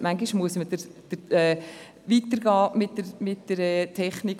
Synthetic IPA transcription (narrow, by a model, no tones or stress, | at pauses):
maŋɡiʃmuəsməd̥əɾd̪̥əɾɛː | ʋiːt̪əɾɡɑːmɪtːəɾmɪt̚d̥əɾɛtʰɛχnik